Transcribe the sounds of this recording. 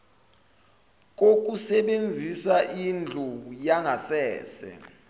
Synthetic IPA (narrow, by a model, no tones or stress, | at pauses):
k̬ok̬usɛɓend͡zʱisaʔind͡ɮʱujaŋasɛːsɛ̰